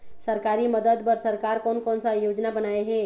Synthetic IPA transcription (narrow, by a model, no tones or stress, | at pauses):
səɾkaɾiməd̪əd̪bəɾsəɾkaɾkonkɔnsajod͡ʒnabənaeɦe